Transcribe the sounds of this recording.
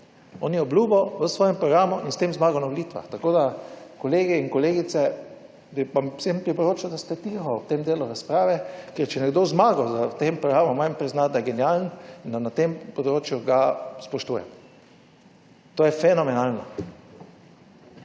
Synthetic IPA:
ɔːnjɛɔblʲuːbɔʋəsʋɔːjɛmpɾɔɡɾaːmuʔinst̪emzmaːɡɔnaʋolit̪ʋa̰xt̪akoːd̪akɔleːɡɛinkɔleːɡit̪sɛ | ɛʋamsempɾipɔɾoːt͡ʃad̪ast̪ɛt̪ixɔt̪emd̪eːluɾaspɾaːʋɛkɛɾt͡ʃɛnɛɡd̪ozmaːɡɔzat̪empɾɔɡɾaːmumajmpɾiznad̪ajɛɡɛnjalnind̪anat̪empɔd̪ɾoːt͡ʃjuɡaspɔʃt̪uːjɛ̰ | t̪oːjɛfɛnɔmɛnaːlnɔ̰

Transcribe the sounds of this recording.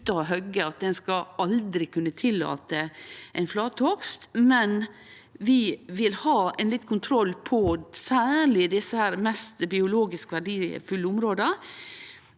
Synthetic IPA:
t̪ɑɔɦœɡəɑt̪̚d̪ɛnskɑɑld̪ɾɪkʰʉnːət̪ʰɪlːɑ̰ːt̪əʔɛɪnflɑːt̪ʰɔkst̪mɛn | ʋɪʋɪlhɑːɛnlɪt̪ːkʰʊnt̪ʰɾɔlːpʰɔsæːɭɪd̪ɪsəhæːɾmɛst̪bɪʊloːɡɪskəʋæɖiːfʉlːəʊmɾoːd̪ə

